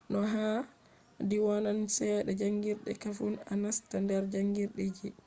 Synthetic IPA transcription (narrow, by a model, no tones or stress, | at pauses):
nɔɦa | diwanansɛɗɛd͡ʒaŋɡiɾɗɛ̰kafunanastandɛɾd͡ʒaŋɡiɾɗid͡ʒi